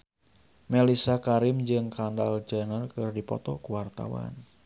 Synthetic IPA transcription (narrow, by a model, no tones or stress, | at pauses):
melisakaɾɪmd͡ʒɨŋkandald͡ʒanərkɨrdipɔ̰t̪ɔkuwart̪a̰wa̰n